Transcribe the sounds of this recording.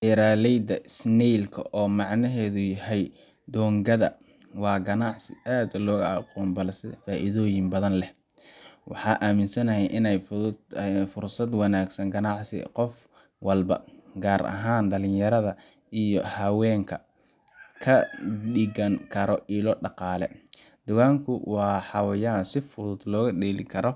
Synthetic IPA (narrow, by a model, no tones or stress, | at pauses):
ʔɛɾaːlɛjd̪ɐɪsnɛjlkʰɐ̰ʔɔːmɑʕnɐɦɛːðʊjɐhɛj | d̪ɔːŋɡɐðɐ̰ | wɑːɡɐnɑʕsɪʔaːd̪lɔːɣɐɐqɔːnbɐlsɪðɐfaːʔḭðɔːjɪmbɐðɐnlɛh | wɑħɑːʔaːmɪnsɐnɐɦɛjʔɪnɛjfʊd̪fʊrsɐd̪wɑnaːɡsɐŋɡɐnɑʕsɪ̰qɔf | wɐlbɐ̰ɡaːɾʔɐ̰ɦaːnɖ̪ɐlɪnjɐɾɐðɐ | ijɔhɐwɛːŋkʰɐ | kʰɐɗɪɣɐŋkʰɐɾɔʔiːlɔːɖɑqɑːlɛ̰ | d̪̥ʊɣaːŋkʰʊwɑːħɑwɐjaːnsɪfʊðʊd̪lɔːɣɐɗɛːlɪkʰɐɾɔ